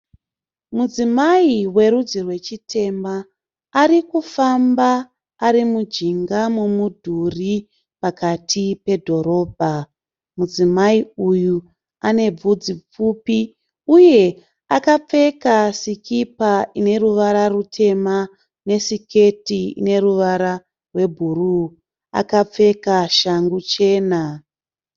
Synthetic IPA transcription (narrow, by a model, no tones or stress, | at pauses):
mud͡zimaiwe̞ɾud͡zirwe̞t͡ʃitʰe̞mbaː | ɾikufambaː | ɾimud͡ʒiŋɡamumudʱuri | pakatʰipe̞dʱo̞ɾo̞ːbʱa | mud͡zimaiuju | ane̞b͡vud͡zip͡fupi | uje̞ | akap͡fe̞kasikipaine̞ruʋaɾarutʰe̞ma | ne̞sike̞tiḭne̞ɾuʋaɾa | rwe̞bʱuru | a̰kap͡fe̞kaʃaŋɡut͡ʃe̞ːna